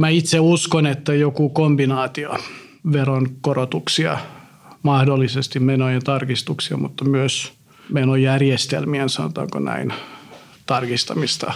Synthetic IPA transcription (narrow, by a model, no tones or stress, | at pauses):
mæit̪seuskonet̪ːæjokukombinɑːt̪io̰ | ʋeronkorot̪uksiɑ̰ | mɑhdolːisest̪immenojent̪ɑrkist̪uksiɑ̰mut̪ːɑmyøs | menojærjest̪ḛlmiensɑno̰t̪ɑ̰ːŋko̰næ̰in | t̪ɑrkist̪ɑmist̪ɑ̰